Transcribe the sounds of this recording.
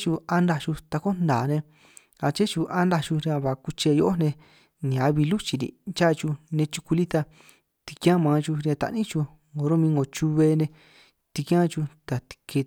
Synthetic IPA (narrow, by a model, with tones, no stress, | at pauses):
t͡ʃu˧a˧nd̪a˧t͡ʃu˧t̪a˧ko˦nd̪aː˨nẽ˧ | a˧t͡ʃe˦t͡ʃu˧ʔa˦nd̪a˧t͡ʃu˧ɾi˧ã˧βa˨ku˧t͡ʃe˧jo˧ʔo˦nẽ˧ | nĩ˨a˨˧βi˧lu˦t͡ʃi˧ɾḭ˧˨t͡ʃa˦˧t͡ʃu˧nẽ˧t͡ʃu̥˧ku˧li˦t̪a˧ | t̪i̥˧kjã˦mãː˧t͡ʃu˧ɾjã˧t̪a̰˧ʔnĩ˦t͡ʃu˧ | ŋo˨˧ɾo˦mĩ˧ŋɡo˨t͡ʃu˧βe˧nẽ˧ | t̪i˧kjã˦t͡ʃu˧t̪a˨t̪i̥˧ke˧